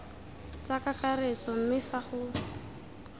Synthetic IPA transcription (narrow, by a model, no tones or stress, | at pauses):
t͡sakakaret͡sɔm̩mɪfaχʊː